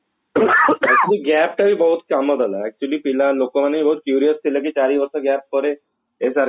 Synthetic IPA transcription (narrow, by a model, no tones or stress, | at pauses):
ɛk̚t͡ʃuəliːɡæp̚ʈaɦiːbəɦut̪kamət̪alaɛk̚t͡ɕuəliːpilãlokəmanːeibəɦut̪̚kjuɾijəst̪ʰilək̬iːt͡ɕaɾiːʋəɾsəɡæp̚pəɾe | esaɾ